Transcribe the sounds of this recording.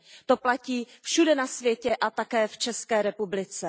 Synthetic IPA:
t̪oplaciːfʃudɛnasvjɛcɛʔat̪akɛːft͡ʃɛskɛːɾɛpublɪt͡sɛ

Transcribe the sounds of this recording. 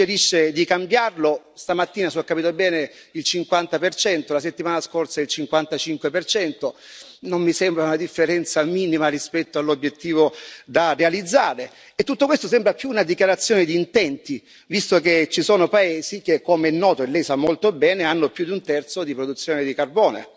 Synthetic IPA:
eɾiʃːed̪ikambjarlo | st̪amat̪ːiːnasɔkːapiːt̪obɛːne | ilt͡ʃiŋkwant̪apert͡ʃɛnt̪olaset̪ːimaːnaskorsailt͡ʃiŋkwant̪at͡ʃiŋkwepert͡ʃɛnt̪o | nomːisɛmbɾaunad̪ifːeɾɛnt̪samiːnimarispɛt̪ːoalːobjet̪ːiːvod̪arːealid̪zːaːɾe | et̪ːut̪ːokwest̪osɛmbɾapjuːnad̪ikjaɾat̪sːjoːned̪iːnt̪ɛnt̪i | vist̪oket͡ʃːisoːnopaeːzikekːomeɛnːɔːt̪oelːɛjsamːolt̪obɛːneanːopjud̪iunt̪ɛrt̪sod̪ipɾod̪ut̪sjoːned̪ikarbɔːnḛ

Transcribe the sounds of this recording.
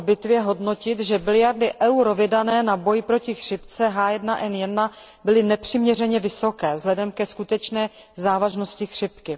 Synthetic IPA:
bɪt̪vjɛɦo̞dno̞cɪt̪ʒɛbɪlɪjaɾdɪʔɛwɾovɪdanɛːnabo̞jpɾo̞cɪxr̥ɪpt͡sɛɦaːjɛdnaʔɛnjɛdna | bɪlɪnɛpr̝̥ɪmɲɛrɛɲɛvɪsokɛːvzlɛdɛmkɛskut̪ɛt͡ʃnɛː | zaːvaʒno̞scɪxr̥ɪpkɪ

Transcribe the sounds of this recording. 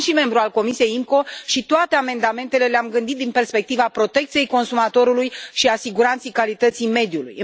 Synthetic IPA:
ʃime̞mbɾualko̞misije̞jimko̞ʃit̪oat̪e̞ame̞nd̪ame̞nt̪e̞le̞leamɡɨnd̪it̪̚d̪inpe̞rspe̞k̚t̪ivapɾo̞t̪e̞kt̪sije̞jko̞nsumat̪o̞ɾulujʃiasiɡuɾant̪sejkalit̪ət̪sijme̞d̪julṵjɨ

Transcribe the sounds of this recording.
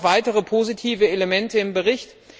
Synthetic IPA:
v̥aɪtəʁ̞əpʰozitʰiːvəeləmɛntəɪmbəʁɪçt

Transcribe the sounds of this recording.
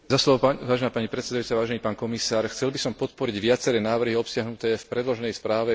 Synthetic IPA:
zaslɔʋɔʋaːʒɛnaːpaɲipɾɛt̪sɛd̪ajut͡saʋaːʒɛniːpaːnkɔmisaːɾxt͡sɛlbisɔmpɔt̪̚pɔɾiɟʋɪat͡sɛɾɛːnaːʋr̩ɦiɔpsɪaɦnut̪ɛːfpɾɛd̪lɔʒɛnɛjspɾaːʋɛ

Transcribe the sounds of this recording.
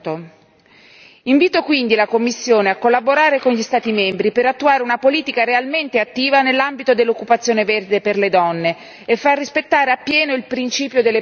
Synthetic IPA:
t̪o | iɱviːt̪okwind̪ilakomːisːjoːneakːolːaboɾaːɾekonʎist̪aːt̪imembɾipeɾat̪ːuaːɾeunapoliːt̪ikaɾealment̪eat̪ːiːvanelːambit̪od̪elːokːupat̪sːjoːneverd̪eperled̪ɔnːe | efːarːispet̪ːaːɾeapːjɛːnoilpɾint͡ʃiːpjod̪elːe

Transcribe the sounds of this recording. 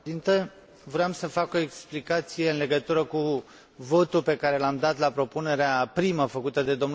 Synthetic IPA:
int̪ə | vɾeamsəfako̞e̞ksplikat̪sije̞ɨnle̞ɡət̪uɾəku | vo̞t̪upe̞kaɾe̞lamd̪at̪lapɾo̞pune̞ɾeapɾiməfəkut̪əd̪e̞d̪o̞mn

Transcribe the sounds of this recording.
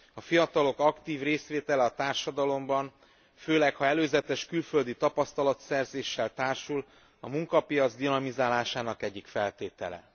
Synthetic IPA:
ɒfijɒt̪ɒlo̞kɒkt̪iːvreːsʋeːt̪ɛlɛɒt̪aːrʃɒd̪ɒlo̞mbɒn | føːlɛkhɒɛløːzɛt̪ɛʃkylfø̞ld̪it̪ɒpɒst̪ɒlɒt̪sɛrzeːʃːɛlt̪aːrʃul | ɒmuŋkɒpijɒd̪zd̪inɒmizaːlaːʃaːnɒkɛɟːikfɛlt̪eːt̪ɛ̰lɛ̰

